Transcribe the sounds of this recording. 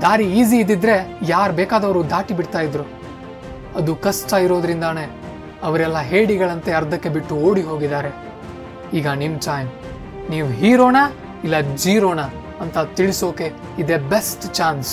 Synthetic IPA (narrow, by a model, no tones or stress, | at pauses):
d̪aːɾiiːziːd̪ːid̪ɾe̞jaːɾbeːkaːd̪ɐʋɐɾud̪aːʈibiɽt̪aːjid̪ɾu | ɐd̪ukɐsʈaiɾo̞ːd̪ɾind̪ane̞ | ɐʋɐɾɛlːɐɦeːɽiɡɐɭɐnt̪e̞ɐɾd̪ʱɐkːe̞biʈːuoːɽiɦo̞ːɡid̪aːɾe̞ | iːɡɐnimt͡ʃaːjn | niːʋuɦiːɾoːna | ilːɐd͡ʒiːɾoːnaː | nt̪ɐt̪iɭiso̞ːke̞ | id̪ebesʈt͡ʃaːns